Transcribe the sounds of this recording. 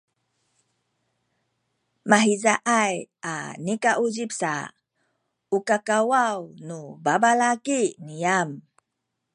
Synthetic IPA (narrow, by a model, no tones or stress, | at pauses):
maɦizaʔaja̰nikaʔuzipsa̰ | ukakawawnubabalakiniam